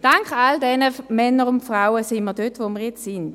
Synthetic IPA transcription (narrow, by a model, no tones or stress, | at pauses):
d̥aŋkχaldɛnəmɛnːəʁʊntfʁaʊəsɪnməɐʁdøtʋoməɐjɛt͡ssɪn